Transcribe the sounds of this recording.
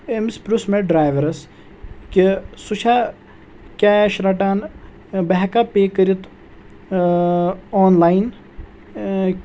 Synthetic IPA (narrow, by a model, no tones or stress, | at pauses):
emispʲɾusmeɖɾaːjʋɐɾɐs | kisuʃʰaː | kʲaːʃɾɐʈaːn | bɐɦkapeːkəɾit̪ | oːnlaːjn